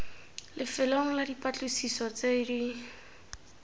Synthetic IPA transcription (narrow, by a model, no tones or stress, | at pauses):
lɪfɪloŋ̩ladipʼat͡ɬʼusisɔt͡sedi